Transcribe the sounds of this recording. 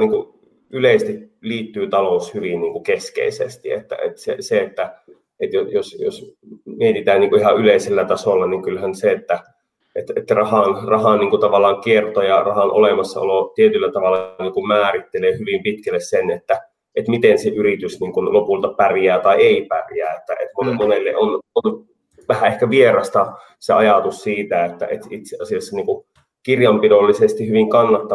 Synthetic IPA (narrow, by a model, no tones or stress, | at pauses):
niːŋku | yleist̪iliːt̪ːyːt̪ɑloushyʋinniːŋkukeskḛisḛst̪iḛt̪ːæ̰ḛt̪sḛseet̪ːæ | et̪jojosjo̰smiet̪it̪æːnniːkuihɑʔyleiselːæt̪ɑsolːɑniŋkylhænseet̪ːæ | et̪et̪ːærɑhɑnrɑhɑnniːŋkut̪ɑʋɑlːˑɑːŋkiert̪ojɑrɑhɑnʔo̰lemɑsːɑ̰o̰lot̪iet̪ylːæt̪ɑʋɑlːɑniːŋkummæːrit̪ːeleːhyʋimpit̪kælːessenet̪ːæ | et̪mit̪enseʔyrit̪ysniːŋkunlopult̪ɑpærjæːt̪ɑieipæ̰rjæ̰ːet̪ːæ̰ʔḛt̪monmonelːḛʔonon | ʋæhæehkæʋierɑst̪ɑ | seɑjɑt̪ussiːt̪æet̪ːæ̰ʔḛt̪it̪seʔɑsijɑsːɑniːŋku | kirjɑmpidolːisest̪ihyʋiŋkɑnːɑt̪ːɑ